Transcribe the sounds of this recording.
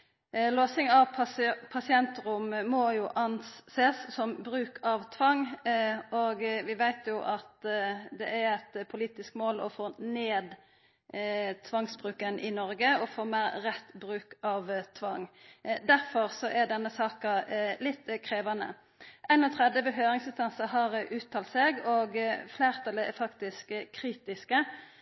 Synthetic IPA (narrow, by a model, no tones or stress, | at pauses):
loːsɪŋɑʋʰpʰɑsɪɛnt̪ʁʊmːɔjuːʔɑnseːsːɔmbɾʉːkʰɑʋt̪ʰʋɑŋː | ɔɡʋɪʋæɪt̪jʊʔɑt̪d̪ɛʔæɾæt̪pʰʊliːt̪ɪskmoːlɔ̰foːneːd̪ | t̪ʰʋɑŋsbʁʉːkənʔɪ̰nɔɾɡəɔfoːmæɾːɛt̪bɾʉːkɑʋt̪ʰʋɑŋːd̪æɾfɔʁsɔʔæd̪ɛnːəsɑːkɑlɪt̪ːkʰɾeːʋɑnə̰ | ʔæɪnɔt̪ʰʁɛd̪əbəɦøːɾɪŋsɪnst̪ɑnsɑɦɑɾʔʉːt̪ʰːɑːlt̪seːɡɔɡfleːʁt̪ʰɑlːəɛ̰fɑkt̪ɪskkʰːɾiːt̪ɪskə